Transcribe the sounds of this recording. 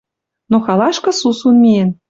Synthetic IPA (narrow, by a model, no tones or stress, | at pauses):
noxɑlˠɑʃkɤ̆susunmʲien